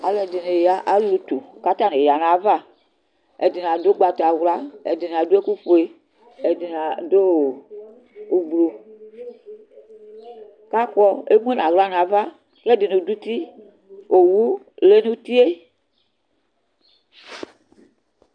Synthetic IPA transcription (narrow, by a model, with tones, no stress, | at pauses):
a˨le˨de˨ne˨ja˦ʔa˦lu˨t̪u˨ka˦t̪a˦nẽ˨ja˨nã˨˦va˦ | ḛ˨di˨n˨ã˨do˦ɡ͡ba˨t̪a˨wu˦la˦ḛ˨di˨n˨a˨du˦e˦ku˦ɸo˨e˦ | e˨di˨na˨do˦˨ | u˨ɡ͡blo˨ | ka˦kɔ˦e˦m˦e˦nã˨ɣla˦n˨a˨va˦ | e˦di˨nũ˨du˦t̪i˦ | o˨wu˦ | le˦nũ˦t̪i˦e˦